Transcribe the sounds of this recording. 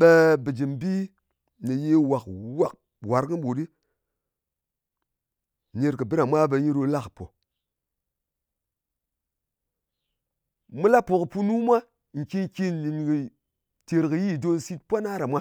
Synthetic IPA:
ɓe˧bɨ˨d͡ʒi˨mbi˦ | nɨ˨je˦wa˨kwa˨k̚ | wa˨ɾkɨ˦ɓo˨ɗi˦ | ne˧ɾkɨ˨bɨ˦ɾa˨mʷa˦be˧ɲi˦ɾo˧la˦kɨ˨po̰˨ | mɨ˦la˦po˨kɨ˨pu˦nu˦mʷa˦˨ | ŋ̩˨ki˦ŋki˦nli˨nkɨ˨ | te˨ɾkɨ˨ji˦˨do˧nsi˦t̚pʷa˦na˦ɾa˨mʷa˦

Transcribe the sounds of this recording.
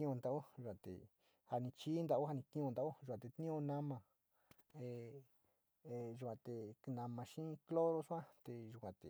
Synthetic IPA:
ĩ˦˧ũ˧nd̪a˧u˦ʒu˧kʷã˧˨t̪ḛ˨ | ha˧nĩ˧t͡ʃi˦nd̪a˧u˦ha˧nĩ˧kĩ˦ũ˧nd̪a˧˦u˦ʒu˨kʷã˨˧t̪e˧t̪nĩ˦õ˧nã˦mã˧˨ | e˧˨˧ | ʒu˧kʷã˧t̪e˨˧nã˧mã˧ʃĩ˦klo˦ɾo˧su˦ã˦t̪e˧ʒu˧kʷã˧t̪ḛ˨˧

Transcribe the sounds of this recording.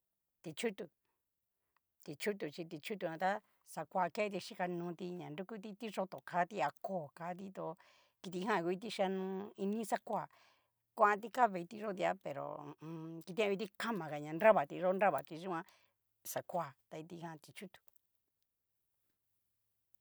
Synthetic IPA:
t̪i˧t͡ʃu˦t̪u˨ | t̪i˨t͡ʃu˦t̪̬u˨t͡ʃi˧t̪i˧t͡ʃu˦t̪̬u˧˨ã˧t̪a˦ | sa˧kʷaː˧ke˦t̪̬i˧ʃi˦ka˧nũː˧t̪i˧ɲã˨ndu˦ku˦t̪i˧t̪i˦ʐo˧t̪o˨kʰa˦t̪i˦a˧koː˦˨ka˧˦t̪̬i˦t̪o˧ | ki˧t̪̬i˧ɦã˦˧kʷi˧˦t̪̬i˦ʃa˧nũ˧i˧nĩ˦sa˦kʷa˧˨ | kʷa˦ã˧t̪̬i˧ka˦βe˧t̪i˦˧ʐo˦t̪i˧a˧pe˨ɾõ̰˨˧ki˧t̪̬ã˦˧i˧t̪i˦ka˦mã˨ka˨ɲã˨˧nɾa˦βa˨t̪i˧ʐo˦˧nɾa˦βa˨t̪i˧ʒũ˦ã˧ | sa˨kʷa˧˨t̪a˧i˧t̪i˧hã˦˧t̪i˧t͡ʃu˦t̪u̥˨

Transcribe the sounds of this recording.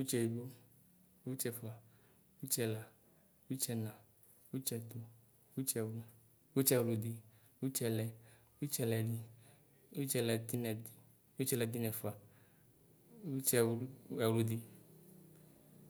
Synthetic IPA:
wu˦t͡ʃɛ˨i˨bo˦ | wu˦t͡ʃɛ˧fu˨a˨ | wu˦t͡ʃɛ˧la˨ | wu˦t͡ʃɛ˧nã˨ | wu˦t͡ʃɛ˧d̪o˨ | wu˦t͡ʃɛ˧wlu˨ | wu˦t͡ʃɛ˧wlu˨d̪i˨ | wu˦t͡ʃɛ˧˨lɛ˨ | wu˦t͡ʃɛ˧lɛ˨di˦ | wu˦t͡ʃɛ˧lɛ˨ti˦nɛ˨ | wu˦t͡ʃɛ˦lɛ˨d̪i˦nɛ˨fa˨ | u˦t͡ʃɛ˧˨˦ɛ˨wlu˦di˦

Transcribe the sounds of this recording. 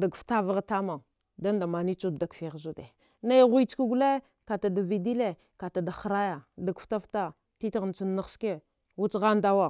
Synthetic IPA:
da˨ɡfta˦va˦ɣta˦ma˨ | da˦nda˨ma˨ni˦t͡ʃu˦dda˨kfi˨ɣzu˦de˨ | na˦jɣu˦t͡ʃki˦ɡu˦le˦ | ka˨ta˨da˨vi˨di˦le˨ | ka˨ta˨da˨xɾa˦ja˨da˨ɡfta˦fta˦ | ti˦tɣn˨t͡su˨nːa˦ske˦ | wu˦t͡sɣa˦nda˦wa˦˨

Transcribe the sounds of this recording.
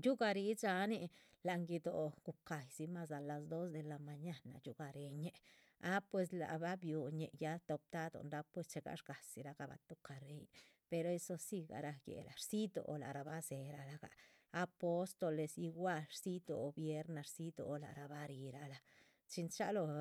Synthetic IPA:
t͡ʃu˦ɡa˧ɾi˧˦t͡sa˧ni˧ | la˨ŋɡi˧d̪o̰˨ɡ̥u˨ka˨jsi˧˦ma˧s̬a˧˨la˧s̬d̪o˦s̬d̪e˧la˧ma˧ɲa˦na̰˨ju˦ɡa˨ɾe˧ɲe˦ | a˦pwe˧s̬la̰˨ba˦bju˨ɲḛ˨ja˦t̪o˧p̚t̪a˦d̪o̰˨nɾa˦pwe˧st͡ʃe˧ɡa̰˧˦ʃɡa˨si˨ɾa˧ɡa˧ba̰˧t̪u˦ka˨ɾe˦j | pe˧ɾo˧e˦so˧si˧ɡa̰˨ɾa˧jḛ˨la˨ɾsi˦d̪o̰˨˧la̰˨ɾa˨ba˦se˨ɾa˧la˧ɡa̰ː˨˧ | po˦st̪o˧le˧si˧ɡʷa˦ɾsi˦d̪o˨˧bje˦ɾna˧ɾsi˦d̪o̰˨˧la̰˨ɾa˨ba˧ɾi˧ɾa˧la˧ | t͡ʃi˧nt͡ʃa˦lo˧

